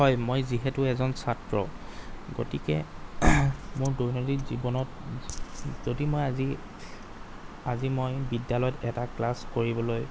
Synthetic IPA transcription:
ɦɔjmojziɦɛtʊɛzɔnsatɹɔ | ɡo̰tikɛ | mʊɹdojnotizibɔnɔt̚ | zodimojazi | azimojbidjalɔjɔtɛtaklaskoɹibɔloj

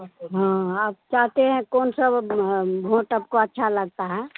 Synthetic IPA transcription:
ɦãaːp̚t͡ʃaɦt̪eɦɛ̃kɔːnsəbbʱõːʈaːp̚koətːʃʰaləɡ̚t̪aɦɛ

